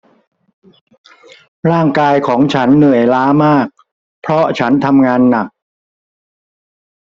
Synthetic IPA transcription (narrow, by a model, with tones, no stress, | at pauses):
ɾaː˥˩ŋkaː˧jkʰɔː˩˦ŋt͡ɕʰa˦˥nːɯ˨˩əjlaː˦˥maː˥˩k̚ | pʰɾɔ˦˥t͡ɕʰa˦˥nt̪ʰa˧mŋaː˧nːa˨˩k̚